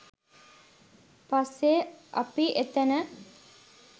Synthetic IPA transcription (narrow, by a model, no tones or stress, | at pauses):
pasːeʔɐ̰piʔet̪ənə